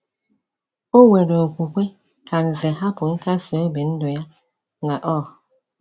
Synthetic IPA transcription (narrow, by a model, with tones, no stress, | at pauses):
o˦we˨ɾo˨o˨kʷu˨kʷe˦ | ka˨n̩˨zɛ˨ɦa˦pʊ˨ŋ̩˦ka˦so˨o˦be˨n̩˦dʊ˨ja˦ | ŋa˨ʔɔ˦˨